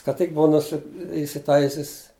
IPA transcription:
kɐ ˈtʲɪk ˈbʊʋɐ nʊˈsʲɪ ɪsʲɪˈtɐɪsʲɪs

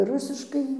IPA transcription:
ˈrʊsʲɪʃkɐɪ

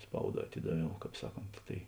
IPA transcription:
ˈspɐʊˌdɑː ɐˈtʲɪdɐˌʋʲɛʊ ˈkɑːp ˈsɑːˌkoːnt tɐɪ

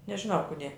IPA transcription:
nʲɛʒʲɪˈnɐʊ ˈkʊdʲeː

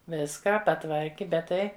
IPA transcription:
ˈʋʲɪskɑː pɐˈtʋɐrʲkʲɪ ˈbʲɛt ˈtɐɪ

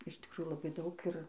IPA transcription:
ɪʃ tʲɪkˈruːjuː lˠɐˈbɐɪ ˈdɐʊk ɪr

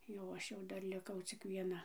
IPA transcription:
jɛʊ ˈɐʃ jɛʊ ˈdɐr lʲɪˈkɐʊ t͡sʲɪk ʋʲiɛˈnɐ

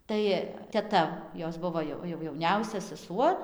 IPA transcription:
ˈtɐɪ tʲɛˈtɐ ˈjoːs ˈbʊʋoː joː jɛʊ jɛʊˈnʲɛʊsʲɛ sʲɛˈsuɔ

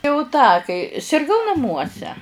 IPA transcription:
jɛʊ ˈtɑː kɐɪ sʲɪrˈɡɐʊ nɐˈmuɔsʲɛ

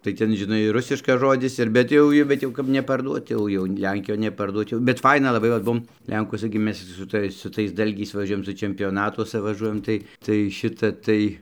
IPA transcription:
tɐɪ ˈtʲɛn ʒʲɪˈnɐɪ ˈrʊsʲɪʃkɐs ˈʒoːdʲɪs ɪr bʲɛt ˈjɛʊ ɪ bʲɛt ˈjɛʊ kɐp nʲɛpɐrˈduɔt ˈjɛʊ jɛʊ ˈlʲɛŋʲkʲɪjoːn nʲɛpɐrˈduɔt jɛʊ bʲɛt ˈfɐɪnɐ lˠɐˈbɐɪ ʋɐt ˈbuɔm ˈlʲɛŋkuɔsɐ ɡʲɪ ˈmʲɛs sʊ ˈtɐɪs sʊ ˈtɐɪs ˈdɐlʲɡʲɛɪs ʋɐˈʒʲuɔjɛm sʊ t͡ʃʲɛmʲpʲoːˈnɑːtuɔsɐ ʋɐˈʒuɔjɛm ˈtɐɪ tɐɪ ˈʃʲɪtɐ ˈtɐɪ

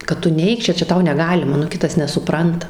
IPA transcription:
kɐt ˈtʊ ˈnʲɛɪk ˈt͡ʃʲɛ ˈt͡ʃʲɛ ˈtɐʊ nʲɛˈɡɑːlʲɪmɐ nʊ ˈkʲɪtɐs nʲɛsʊˈprɐntɐ

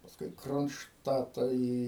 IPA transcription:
pɐsˈkʊɪ ɪ kroːnʃˈtɑːtɑː ˈiː

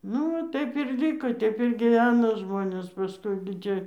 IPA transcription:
ˈnʊ ʋɐ ˈtɐɪp ɪr ˈlʲiːkoː ˈtʲɛɪp ɪr ɡʲiːˈʋʲæːnoː ˈʒmoːnʲeːs pɐˈskʊɪ ɡʲɪ ˈtʲiɛ

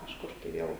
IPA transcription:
kɐʃˈkʊr tɐɪ ˈʋʲiɛlˠ

